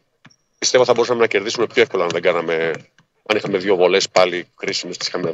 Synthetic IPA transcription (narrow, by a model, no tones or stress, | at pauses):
pist̪evo̞θɐbo̞ɾusɐme̞nɐce̞ɾðisume̞pçoefko̞lɐɐnðe̞ɡɐnɐme̞ | ɐnixɐme̞ðʝovo̞le̞spɐlikɾisimest̪i̥si̥xɐme